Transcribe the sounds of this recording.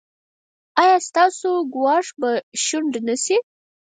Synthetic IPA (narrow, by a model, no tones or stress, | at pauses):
ɑjɑst̪ɑsoɡwɑʂbaʃuɳɖnasi